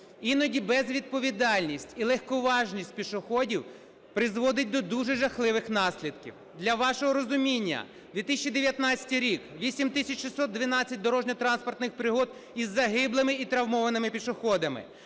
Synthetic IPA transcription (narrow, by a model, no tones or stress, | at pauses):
inɔdʲibɛzʋʲid̪̚pɔʋʲid̪ɑlʲnʲisʲtʲilˠɛxkɔʋɑʒnʲisʲtʲpʲiʃʊxɔdʲiw | pɾɪzʋɔd̪ɪt̚ʲd̪ɔd̪uʒɛʒɐxlˠɪʋɪxnɑsʲlʲid̪kʲḭw | d̪lʲɐʋɑʃɔɦɔɾɔzʊmʲinʲːɐ̰ | d̪ʋʲit̪ɪsʲt͡ʃʲid̪eʋʲjɐt̪nɑt͡sʲɐ̥t̪ɪjɾʲikʋʲisʲimt̪ɪsʲɐt͡ʃʃɪsɔt̪̚d̪ʋʲɪnɑt͡sʲːɐt̚ʲd̪ɔɾɔʒnʲɔt̪ɾɑnspɔrt̪nɪxpɾɪɦɔd̪ | izːɐɦɪblˠɪmɪit̪ɾɐwmɔʋɐnɪmɪpʲiʃʊxɔd̪ɐmɪ̰